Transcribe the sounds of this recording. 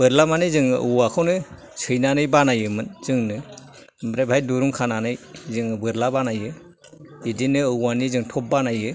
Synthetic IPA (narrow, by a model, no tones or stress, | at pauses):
bɯɾlamanizɯŋʔɯwakʰawnɯ | sʰɯjnanɯjbanajɯmɯnz̥ɯŋnɯ | mbɾebʱajduɾuŋkʰananɯjzɯŋɯbɯɾlabanajɯ | idinɯɯwanizɯŋtʰɔp̚banajɯ